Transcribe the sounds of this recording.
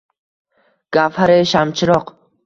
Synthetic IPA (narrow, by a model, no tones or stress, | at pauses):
ɡ̥afhaɾeʃamt͡ʃʰɪɾɒq